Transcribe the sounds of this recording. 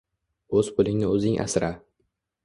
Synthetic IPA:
ɵzpʊlɪŋnɪɵzɪŋʔa̰sɾa

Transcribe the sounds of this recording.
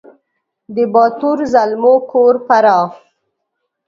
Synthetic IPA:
d̪əbɑt̪uɾzalmokʰoɾpaɾɑː

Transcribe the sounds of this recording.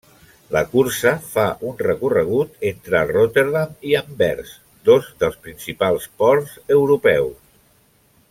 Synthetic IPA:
ləkuɾsəfaʔunrəkurəɣ̞ut̪ent̪ɾərot̪eɾðamiəmbɛ̰ɾs | d̪ozðəlˠspɾinsipalˠspɔɾzəwɾupɛws

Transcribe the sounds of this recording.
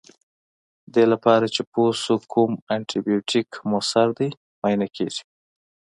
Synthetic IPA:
d̪elapɑɾat͡ʃeposokʰumaɳʈʰibijoʈʰikmosaɾd̪aj | mɑjnakʰḛʐi̥

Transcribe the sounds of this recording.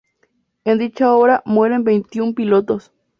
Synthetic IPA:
end̪it͡ʃaoβɾamweɾenbe̞jnt̪iumpilot̪os

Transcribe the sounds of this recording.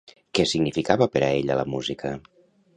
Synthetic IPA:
kɛsiɡnifikaβəpəɾəeʎələmuzikʰə

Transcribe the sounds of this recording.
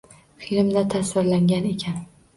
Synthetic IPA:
filɪmd̪at̪ʰasɪɾlaŋɡʲane̞kʲʰan

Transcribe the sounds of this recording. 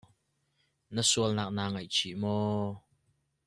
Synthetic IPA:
nəsuəlnak̚naːŋɐjt͡ʃʰimɔː

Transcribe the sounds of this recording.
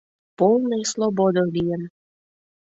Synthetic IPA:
polˠnəjslˠobod̪olijən

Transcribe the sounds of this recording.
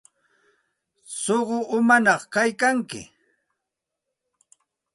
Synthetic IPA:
soɢoʔʊmanɑχkajkaŋkɪ̰

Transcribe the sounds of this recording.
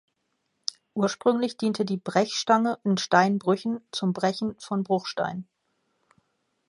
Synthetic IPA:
ʔuːɐʃpʁ̥ʏŋlɪçd̥iːntʰədiːbʁɛçʃtaŋəɪntʃtaɪnbʁʏçn̩t͡sʊmbʁɛçn̩fɔnbʁʊχʃta̰ɪn

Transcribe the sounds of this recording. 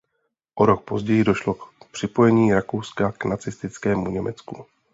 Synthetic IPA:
ʔoɾo̞k̚po̞zɟɛjɪdo̞ʃlo̞kpr̝̥ɪpo̞jɛɲiːɾako̞wskaknat͡sɪst̪ɪt͡skɛːmuɲɛmʔɛt͡sku

